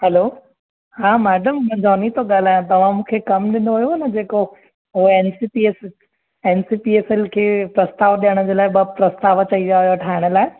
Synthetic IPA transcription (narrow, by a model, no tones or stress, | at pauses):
hɛlo | hãːmɛːɖəmd͡ʑɔːnit̪oɠaːl̤aːjõt̪ɐʋ̤ãmũːkʰekɐmɗɪ̃nd̪oɦujoɐnɐd͡ʑeːko | ɦʊɦɛːnsiːpies | eːnsiːpieːsɛlkʰeːpɾɐst̪aːʋɗijəɽ̃ə̆d͡ʑeːlaːɪɓɐpɾɐst̪aːʋɐt͡ɕɐiʋaːɦjoʈʰaːɦɪɽ̃ə̆laːɪ